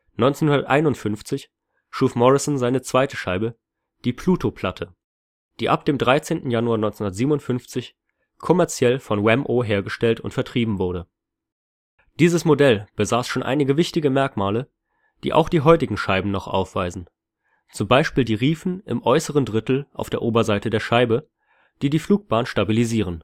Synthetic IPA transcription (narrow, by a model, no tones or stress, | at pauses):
nɔʏnt͡senhʊndɐtʔaɪnʊntfʏnft͡sɪç | ʃuːfmɔʁɪsnzaɪnət͡sv̥aɪtəʃaɪbə | d̥iːpʰl̥uːtopʰl̥atʰə | d̥iːʔap̚d̥eːmdʁaɪt͡seːntn̩januaɐnɔʏnt͡senhʊnɐtziːbmnʊntfʏnft͡sɪç | kʰɔmɛɐt͡sjɛlfɔnwɛmʔoːɦeːɐɡəʃtɛltʊ̰ntfɛɐtʁ̥iːbm̩vʊɐɾə | d̥iːzəsmodɛlb̥əzaːsʃoːnʔa̰ɪnɪɡəvɪçtɪɡəmɛɐkmaːlə | d̥ḭːʔa̰ʊxd̥iːɦɔʏtɪɡŋ̩ʃaɪbm̩nɔχʔa̰ʊfv̥a̰ɪzn̩ | t͡sʊmbaɪʃpiːldiːʁiːfn̩ʔɪ̰mʔɔʏsəʁ̞əndʁɪtl̩ʔa̰ʊfd̥eːɐʔoːbɐzaɪtədeːɐʃaɪbə | d̥iːdiːfluːk̚b̥aːnʃtabiliziːʁ̞ən